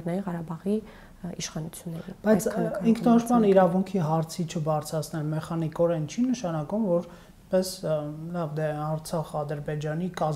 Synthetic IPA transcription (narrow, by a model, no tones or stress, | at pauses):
ɛrnɑjinʁɑɾɑbɑʁi | iʃχɑnut͡sʰjunːɛḭb̥ɑjt͡sʰiŋkʰnɔʃmɑniɾɑvuŋkʰiɦɑɾt͡sʰit͡ʃʰəbɑɾt͡sʰɾɑt͡sʰnɛlmɛχɑnikɔɾɛnt͡ʃʰinəʃɑnɑkumvɔɾ | pɛslɑvd̪ɛɑɾt͡sʰɑχɑd̪əɾbɛd͡ʒɑnikɑz